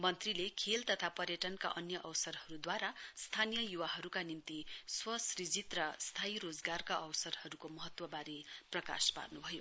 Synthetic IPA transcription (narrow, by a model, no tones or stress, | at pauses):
mʌnt̪rilekʰelt̪ʌt̪ʰapʌrjʌʈʌnka̰ʔʌnjʌʔʌwsʌrɦʌɾud̪waɾast̪ʰanijʌjuwaɦʌɾukanint̪iswʌsrid͡zit̪rʌst̪ʰaiɾod͡zɡarkaʔʌwsʌrhʌɾukomʌɦʌt̪wʌbaɾiprʌka̰spa̰rnubʱʌjo